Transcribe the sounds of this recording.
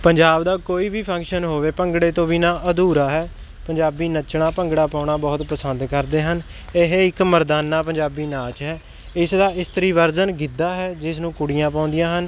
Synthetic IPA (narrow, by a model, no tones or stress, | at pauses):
pəɲd͡ʒaːbd̪aːkoːiːbiːpʰə̃ŋkʃənɦoːʋeːpəŋɡɽeːt̪õːʋiːnaːʔəd̪uːɾaːɦɛː | pəɲd͡ʒaːbiːnət͡ʃɽaːpəŋɡɽaːpaːʊɳaːbɔːt̪pəsənd̪kəɾd̪eːɦən | eɦeɪkməɾd̪aːnːaːpəɲd͡ʒaːbiːnaːt͡ʃɦɛː | ɪsd̪aːɪst̪əɾiːʋəɾzənɡid̪aːɦɛːd͡ʒɪsnũːkʊɽijãːpãːʊ̃nd̪ijãːɦən